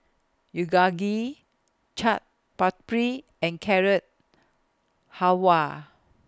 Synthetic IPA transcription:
juɡaɡi | t͡ʃʰat̚ | patpɹi | ɛ̃nkʰɛɹət̚ | hawa

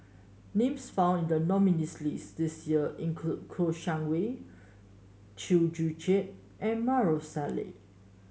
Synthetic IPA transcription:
nẽmsfãw̃nĩndənɔminislisdisjiəʔĩnkʰlud̚kʰoʃãŋwe | t͡ʃild͡ʒud͡ʒeʔ̚ | ʔɛ̃nmaɹosalḛ

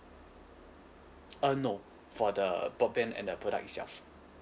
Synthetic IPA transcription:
əno | fɔdəbɔt̚bɛ̃nɛ̰̃ndəpʰɹɔɾa̰k̚itsɛ̰lf

